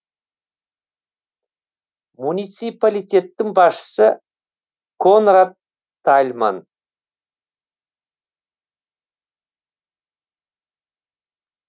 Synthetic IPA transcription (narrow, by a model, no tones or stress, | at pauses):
munijt̪sijpalijt̪ʲe̞t̪ːɪŋbɑsʃə̥sə | kʰonrat̪ʰː | alʲma̰n